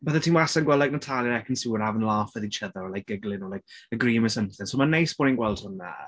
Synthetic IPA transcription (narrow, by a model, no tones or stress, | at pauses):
b̥əθətʰiːnwasanɡwɛlˠaɡnatʰalˠjəɾɛkʰənsuwəɾavənlˠaːfəðit͡ʃʰəðəɾɔlajk̚ɡ̥əɡlˠɪnɔlajk̚əɡriːməsəmθɪnsomanejsb̥ɔɾinɡwɛlˠdhʊna̰